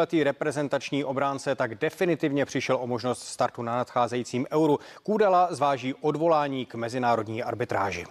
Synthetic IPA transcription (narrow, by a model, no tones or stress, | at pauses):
ɛt̪iːɾɛpɾɛzɛnt̪at͡ʃɲiːʔo̞bɾaːnt͡sɛt̪aɡdɛfɪnɪt̪ɪvɲɛpr̥ɪʃɛlʔomo̞ʒnost̪st̪aɾt̪unanat̪xaːzɛjiːt͡siːmʔɛwɾukuːdalazvaːʒiːʔo̞dvo̞laːɲiːkmɛzɪnaːɾo̞dɲiːʔa̰ɾbɪt̪ɾa̰ːʒɪ̰